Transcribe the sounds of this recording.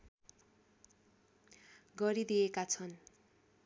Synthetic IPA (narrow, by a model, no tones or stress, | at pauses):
ɡʌɾid̪ijekat͡sʰʌn